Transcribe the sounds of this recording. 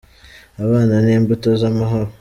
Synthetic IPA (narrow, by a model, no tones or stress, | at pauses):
aβaːnaneːmbuto̞zamaɦo̞ɾo